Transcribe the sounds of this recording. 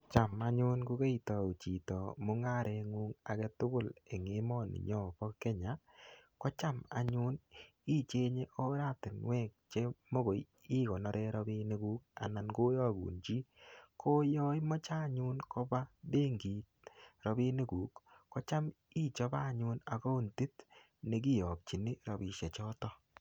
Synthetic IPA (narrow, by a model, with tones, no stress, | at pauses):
t͡ʃa˨ma˨ɲʊ˦nku˦ke˦i˨tɔ˨u˨t͡ʃi˨tɔ˨mʊ˦ŋa˦˨ɾʔɛ˨˧ŋu˦ŋa˨kɛ˦tʊ˦ɡʊ˦˨le˨ŋe˨˦mɔ˦˨nɪ̰˨ɲɔ˦˨bɔ˦kːɛ˦ɲa˨ | kɔ˦t͡ʃa˦ma̰˨ɲʊ˦n | i˦t͡ʃe˦ɲe˦ʔo˦ɾa˦tɪ˨nwɛː˦˨k̚t͡ʃe˦mo˦ɣo˨j | i˦kɔ˨nɔ˦ɾʔɛ˦ɾɔ˦bi˦ne˦ku˦ka̰˨na˨nɡo˦jɔ˦˨ɡṵː˨nt͡ʃi˦kʰo˦jɔː˦jmɔ˦t͡ʃa˦˨ɲu˦nkʰɔ˦ba˦de˦ŋɡiː˨t̚ɾɔ˨bi˦ne˦kuː˨˦kːɔ˦t͡ʃa˦m | i˦t͡ʃɔ˦ba˦˨ɲʊ˦na˨kɔ˦u˦nti˦t | ne˨k̬i˦˨jɔ˨k̚t͡ʃi˨nɪ˦ɾɔ˨bi˨ʃɛ˨t͡ʃɔ˦tɔ˦